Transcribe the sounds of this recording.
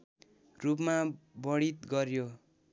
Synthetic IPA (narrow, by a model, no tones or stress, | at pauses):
rup̬mabʌɽit̪ɡʌrjo